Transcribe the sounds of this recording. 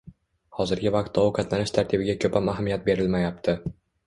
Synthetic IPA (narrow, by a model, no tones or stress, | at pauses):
hɒzɪɾɡʲɪvaq̚t̪ːɒqʰɑt̪ʰlanɪʃt̪ʰaɾt̪ʰɪbɪɡʲakʰɵpʰamaɦamijat̪̚be̞ɾɪlmajap̚t̪ʰɪ